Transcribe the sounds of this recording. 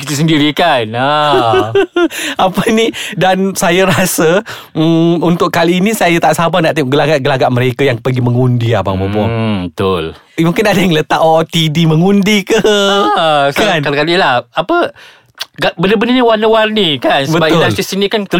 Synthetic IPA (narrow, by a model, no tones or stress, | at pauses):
it̪əs̬əndiɾikana | apənidansajaɾasə | unt̪ʊʔkaliːnisajat̪aʔsabanaʔt̪iɡəlaɡaʔɡəlaɡaʔməɾekajaŋpəɡiməŋundia̰ba̰mobɔbət̪ʊl | muŋkɪnadəjŋlət̪aʔɔt̪idiməŋundikə | skaankalakalilahapə | ɡabəndəbəndəniwanəwarnikansəbəbaʊasisinikant̪ə